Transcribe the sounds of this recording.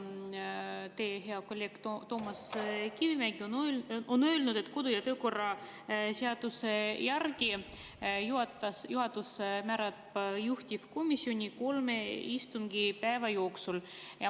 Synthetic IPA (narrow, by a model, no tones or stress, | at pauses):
t̪e̞ːɦeɑkolʲːeɡ̥t̪ot̪o̞ːmɑskivimæɡ̥iononø̞ːlnud̪̥e̞t̪ːˑko̞d̪ujɑt̪ø̞ːko̞rːɑ | seɑd̪̥usejærɡ̥i | juɑt̪ːɑsjuɦɑd̪usmæɾɑ | juht̪ʲifko̞misʲːio̞nʲiko̞lmeist̪umɡ̥ipæevɑjo̞ːksul | jɑ